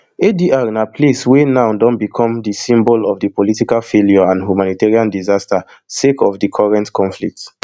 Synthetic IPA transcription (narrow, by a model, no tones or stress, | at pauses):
ediʔaɹnapʰleswenãʊdɔ̃nbikʰɔ̃mdəsĩmbɔlɔvdəpɔlitikalfeljɔãnhjumanitɛɹiãndizasta | sekɔvdikʰɔɹɛ̃ntkʰɔ̃nflḭk̚t